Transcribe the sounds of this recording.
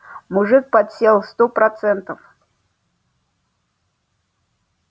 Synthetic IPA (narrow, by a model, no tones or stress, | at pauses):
mʊʐɨk̚pɐt̪sʲelˠst̪opɾɐt̪sɛnt̪əf